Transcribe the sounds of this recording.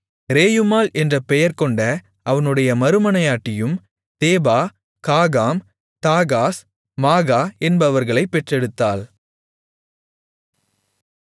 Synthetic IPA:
ɾeːjɯmaːlɛndrɐpːɛjɐɾkɔɳɖɐ | ʔɐʋɐnɯɽɐjɐmɐɾɯmɐnɐjaːʈːɪjɯm | t̪eːbaː | tkaːɣaːm | t̪aːɣaːs | maːɣaːɛnbɐʋɐɾɣɐɭɐɪpːɛʈrɛɽɯt̪ːaːl

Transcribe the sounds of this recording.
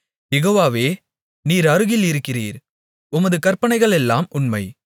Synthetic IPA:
jɛɣoːʋaːʋeː | niːɾɐɾɯɣɪlɪɾɯkːɪriːɾ | ʊmɐðɯkɐɾpɐɳɐɪɣɐɭɛlːaːmʊɳmɐɪ

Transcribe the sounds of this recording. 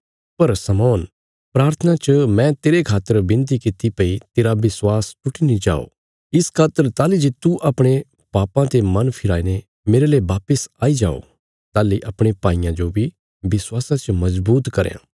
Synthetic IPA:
pɐɾsɐmɔːn | pɾaːɾt̪ʰənat͡ʃəmɛ̃t̪eːɾekʰaːt̪ːəɾbɪ̃nt̪̬ikɪt̪ipɐit̪eːɾabɪswaːsʊʈʰinid͡ʒa̰ːo̰ | ɪskʰaːt̪ːəɾt̪aːlid͡ʒet̪uʔɐpɽ̃e | paːpãt̪emɐnpʰɪɾaːine | meːɾeleːʋaːpəsaːid͡ʒaːo̰ | t̪aːliʔɐpɽ̃epaːijãd͡ʒobʱi | bɪswaːsãt͡ʃmɐzbuːt̪kɐɾjã̰ː

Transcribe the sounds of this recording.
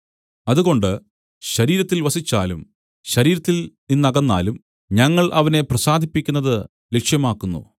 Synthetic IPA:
ɐðuɣo̞ɳɖɨ | ɕɐɾiːɾɐt̪ːilʋɐsit͡ɕːaːlum | ɕɐɾiːɾɐt̪ːilninːɐɣɐnːa̰ːlum | ɲɐŋːɐɭʔɐʋɐne̞prɐsaːd̪ʱipːikʲːunːɐðɨ | lekʂjɐmaːkːunːṵ

